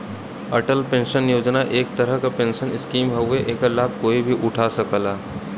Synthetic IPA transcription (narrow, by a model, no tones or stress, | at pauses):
əʈəlpẽːnʃənjoːd͡ʒnaʔeːk̚t̪əɾəɦkapẽːnʃənɪskiːmɦɐʊeʔeːkəlaːb̚koːibʱiʔʊʈʰasəkəlaː